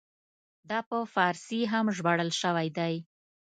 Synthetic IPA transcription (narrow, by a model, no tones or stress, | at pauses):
d̪ɑpəfɑɾsiɦamʒbaɽəlʃəwajd̪aj